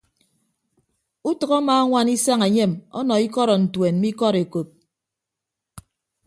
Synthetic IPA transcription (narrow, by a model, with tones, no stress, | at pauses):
u˦tɨ˨kɔ˦maː˨˦a˦ŋʷa˦ni˦sa˦ŋe˨ɲe˦˨mɔ̰˦nɔ˨i˦kɔ˦ɾɔ˨n̩˨twe˨n̩˦i˦kɔ˦ɾe˨ko˨p̚